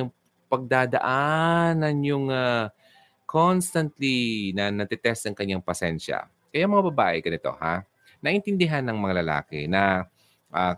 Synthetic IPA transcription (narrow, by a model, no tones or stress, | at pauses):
ʊŋ | pɐɡ̚d̪aːd̪ɐ̰ʔanɐnjʊŋa | kʰonst̪ɐnt̪linɐnɐd̪ɛt̪ɛst̪ɐŋkɐɲːaŋpɐsɛnʃɐ̰ | kɐjamɐŋabɐbaːʔɛɡɐnɪt̪o̞̰ha̰ | nɐʔɪnt̪ɪnd̪ɪɦanːɐŋmɐŋalɐla̰ːkɪ̰nɐ | ʔa